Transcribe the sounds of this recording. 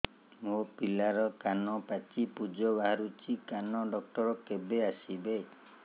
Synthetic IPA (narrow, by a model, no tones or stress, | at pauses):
mopilaɾɔkanɔpat͡ʃipud͡ʒɔbaɦaɾut͡ʃikanɔɖɔk̚ʈɔɾɔkebeasibe